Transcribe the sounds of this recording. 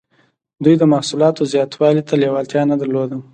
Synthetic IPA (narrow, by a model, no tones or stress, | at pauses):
d̪ujd̪əmahsulɑt̪ozjɑt̪wɑlit̪ʰalewɑlt̪jɑnad̪aɾlod̪a